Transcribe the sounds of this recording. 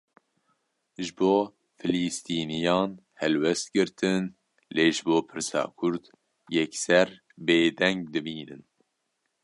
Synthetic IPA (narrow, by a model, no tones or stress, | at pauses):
ʒɨboː | fɨliːst̪iːnijɑːnhɛlwɛst̪̚ɡɨɾt̪ʰɨn | leːʒɨboːpʰɨɾsɑ̰ːkʰʊɾd̪ | jɛksɛɾ | beːd̪ɛŋɡd̪ɨbiːnɨ̰n